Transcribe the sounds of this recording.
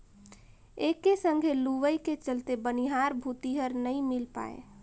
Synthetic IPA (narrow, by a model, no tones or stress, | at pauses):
ekːesəŋɡʱeluʋəjket͡ʃəlt̪ebəniɦaɾbʱut̪iɦəɾnəĩmilpa̰ḛ